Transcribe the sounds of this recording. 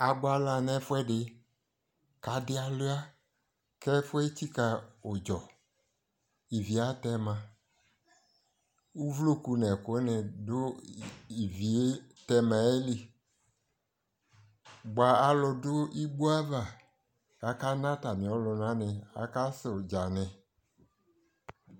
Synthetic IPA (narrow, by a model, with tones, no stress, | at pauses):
a˨ɡ͡ba˦la˨nɛ̃˦fʊ˦ɛ˦dɪ˨ | ka˨˦dɪ˦a˨lʊ˦a˦ | kɛ˦fʊ˦e˦ti˦ka˨o˨d͡ʒɔ˨ | i˨vi˨a˨˦tɛ˦mã˨ | u˦vlo˦ku˨nɛ˨kʊ˨˦nɪ̃˨dʊ˦i˨vi˨e˦tɛ˦mã˨e˦li˦ | ɡ͡ba˨a˦lʊ˨dʊ˦i˦ɡ͡bu˦a˦va˨ | a˨ka˦nã˦ta˨mĩ˨ɔ˦lʊ˨nã˦nɛ˨a̰˨ka˦sɪ˨d͡ʒa˨nɛ̃˨